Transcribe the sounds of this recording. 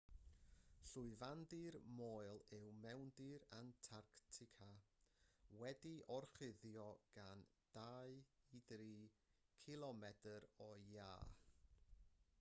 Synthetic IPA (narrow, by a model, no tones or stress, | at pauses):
ɬʊɨvandirmoːɨlˠɪwmɛwndiɾantʰarktʰɪkʰa | wɛdiʔɔrχɪðjɔɡ̥an | d̥aɨiðriːkʰɪlˠɔmɛdəɾɔjaː